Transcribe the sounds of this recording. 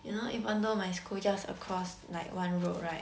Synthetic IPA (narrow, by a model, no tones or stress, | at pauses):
junoʔifə̃ndomaɪskuld͡ʒasə̰kʰɹɔs | laɪkwãnɹotɹaɪt̚